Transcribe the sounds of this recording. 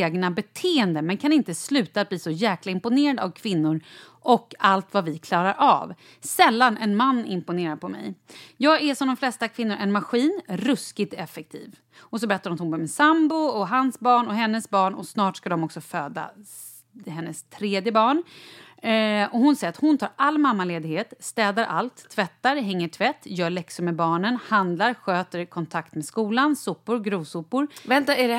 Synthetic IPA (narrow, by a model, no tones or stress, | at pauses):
eːɡnabɛt̪ʰeːɛnd̪əmɛnkʰanɪnt̪əslʉ̟ːt̪at̪̚bliːsɔjæːklaɪmpʊneːɾad̪aa̰vkʰvɪnːʊɾ | ʔɔkːalt̪vavɪkʰlɑːɾaɾʔa̰v | sɛlːanɛnmanːɪmpʊneːɾapʰɔmɛ̰jjɑːɡæʂɔmd̪ɔmflɛst̪akʰv̥ɪnːʊɾʔɛnmaɧiːnɾɵskɪt̪ɛfɛk̚t̪ʰḭːv | ɔsɔbɛɾɛt̪ːaɾɔmt̪hʊmbœːɾmɛsambʊɔɦansbɑːɳɔɦɛnːəsbɑːɳɔ̰snɑːʈʂkad̪ɔmɔksɔføːd̪a̰ | hɛnːəst̪ʰɾeːd̪jəbɑːɳ | ɔhʊnsɛjɾat̪hʊnt̪ʰɑːɾalːmamːaleːd̪ɪɡheːt̪st̪ɛːd̪aɾʔa̰lt̪ʰːvɛt̪ːaɾɦɛŋːəʈʰvɛt̪ːjœːɭɛksɵmɛbɑːɳənhand̪laɾɧøːt̪əɾkʰɔnt̪ʰakt̪meːskuːlansʊpːʊɾɡɾuːvsʊpːʊɾvɛt̪